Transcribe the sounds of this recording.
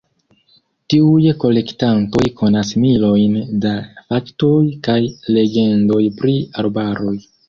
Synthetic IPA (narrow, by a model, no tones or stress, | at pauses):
tiujko̞le̞ktanto̞jkʰo̞nasmilo̞jndafakto̞jkajle̞ɡe̞ndo̞jpɾiaɾbaɾo̞j